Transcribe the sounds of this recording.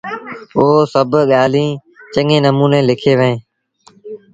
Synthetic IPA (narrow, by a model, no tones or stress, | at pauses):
oːsəbɠaːlĩː | t͡ʃəŋẽːnəmuːnẽːlɪkʰeːʋəẽː